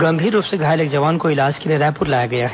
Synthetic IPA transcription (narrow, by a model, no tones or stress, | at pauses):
ɡɐ̃mbʱiːɾːuːpseɡʱaːjleːkd͡ʒɐʋaːnkoɪlaːd͡ʒkelieɾɛːpʊɾlaːjaɡɐjaːɦɛ